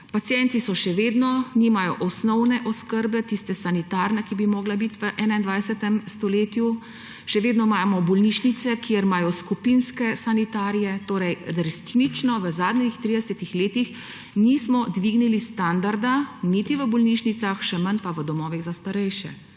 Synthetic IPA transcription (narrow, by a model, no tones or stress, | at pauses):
pat̪sjɛnt̪isɔʃɛʋeːd̪nɔniːmajɔʔɔsnɔwnɛʔɔskəɾbɛt̪ist̪ɛsanit̪aːɾnakibimɔːɡlabit̪ʋəʔɛːnaind̪ʋajsɛt̪ɛmst̪ɔleːt̪ju | ʃɛʋeːd̪nɔmaːmɔbɔlniʃnit̪sɛkiəɾmaːjɔskupinskɛsanit̪aːɾijɛt̪oːɾɛjɾɛsnit͡ʃnɔʋəzaːd̪nixt̪ɾiːd̪ɛsɛt̪ixleːt̪ix | nismɔd̪ʋiːɡnilist̪and̪aɾd̪anit̪iʋəbɔlniʃnit̪saxʃɛmənpaʋəd̪ɔmɔːʋiɣzast̪aɾɛjʃɛ̰